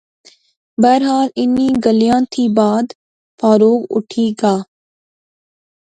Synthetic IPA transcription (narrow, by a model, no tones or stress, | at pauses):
bəːɾɦaːlɪniːɡəlijãːt̪ʰiːbaːd̪ | faːɾoːɡʊ̰ʈʰiːɡaː